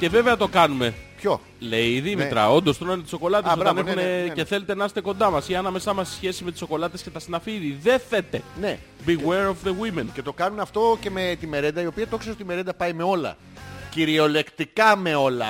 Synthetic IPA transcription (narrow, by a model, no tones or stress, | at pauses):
ce̞ve̞veɐt̪o̞kɐnume̞pço̞ | le̞iðimit̪ɾɐ̰o̞nd̪o̞st̪onɐnet̪iso̞ko̞lɐt̪esoɐnexunece̞θe̞let̪enɐse̥t̪e̞ko̞nd̪ɐmɐsiɐnɐme̞sɐmɐssçe̞simet̪i̥so̞ko̞lɐt̪e̞scet̪ɐsinɐfiðiðe̞θet̪e̞ne | biweɾovðeɣwimence̞t̪o̞kɐnunɐft̪o̞ce̞me̞t̪ime̞ɾend̪ɐio̞piɐt̪oksesot̪ime̞ɾe̞nd̪ɐpɐime̞o̞lɐ̰ | ciɾio̞le̞kt̪ikɐme̞o̞lɐ̰